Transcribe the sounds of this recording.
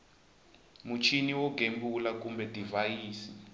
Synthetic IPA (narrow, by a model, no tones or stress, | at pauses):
mut͡ʃʰiniwɔɡʱembulakumbɛdʱivajiːsi